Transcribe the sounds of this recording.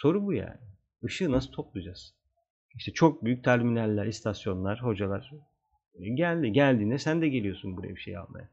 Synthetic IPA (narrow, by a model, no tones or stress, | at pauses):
so̞ɾubuja̰ːnɪ | ɯʃɯːnasɯt̪ʰo̞plˠud͡ʒaz̥ | iʃt̪ʰɛt͡ʃʰo̞k̚byjyc̚t̪ʰæɾminælʲːæɾist̪ʰasjo̞nlˠaɾ̥ho̞d͡ʒalˠaɾ̥ | ɟælʲd̪iɟælʲd̪iːnd̪ɛsænd̪ɛɟelʲijo̞sunbuɾa̰jabiʃḛja̰lˠma̰ja